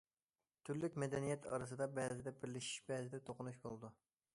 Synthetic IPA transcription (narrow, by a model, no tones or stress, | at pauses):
t̪ʰyɾlykʲmɛd̪ɛnijɛt̪ʰɑ̰ɾɨs̬ɨd̪ɑbɛzɪd̪ɛbɪɾlɪʃi̥ʃbɛzɪd̪ɛt̪ʰoqʊnuʃbolˠd̪u